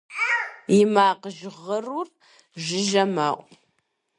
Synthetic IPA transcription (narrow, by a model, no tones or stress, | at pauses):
jɪmaːqəʒʁərur | ʒɪʒɐmaːʔʷʼ